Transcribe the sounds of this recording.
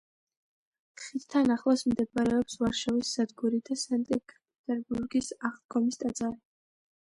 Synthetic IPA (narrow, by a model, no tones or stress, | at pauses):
t̪χit̪t̪ʰːanaχlˠasmd̪ɛbaɾɛɔpsvaɾʃavisz̥ad̪ɡuɾid̪asɛnt̪ʼipʼɛt̪ʼɛɾbuɾɡisaχt̪ɡɔmist̪ʼad̪zʼaɾi